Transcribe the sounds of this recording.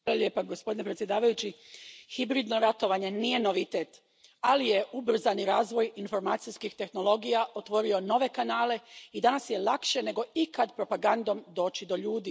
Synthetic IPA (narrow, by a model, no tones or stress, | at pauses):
alalʲjeːpaɡospo̞d̪inepɾet̪sʲje̞d̪aːʋajut͡ɕixibɾiːd̪no̞ɾat̪o̞ʋaːɲe̞niːje̞no̞ʋit̪e̞ːt̪ | alije̞ubr̩zaniɾaːzʋo̞jinfo̞ɾmaːt̪sijskixt̪e̞xno̞lo̞ɡijaʔo̞t̪ʋo̞ɾio̞no̞ʋe̞kanaːle̞id̪anasje̞lˠakʃe̞ne̞ɡo̞ikad̪pɾo̞paɡand̪o̞md̪o̞ːt͡ɕid̪o̞ʎuːd̪i